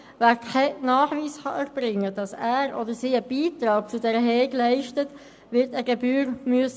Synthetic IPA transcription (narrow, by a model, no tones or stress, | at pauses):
væːɾkʰɛnɑːχʋiːsχɑʔɛɾb̥ɾɪŋːəd̥ɑsæːɾʔɔdəɾsiːəb̥iːtɾɑːk̚t͡sudɛɾəɦɛːɡlæɪʃtət | ʋɪɾtəɡebyːɾmyəs